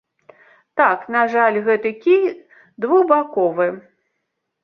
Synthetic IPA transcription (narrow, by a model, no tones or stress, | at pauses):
t̪aknaʐalʲɣɛt̪ɨkʲij | d̪vubakɔvɨ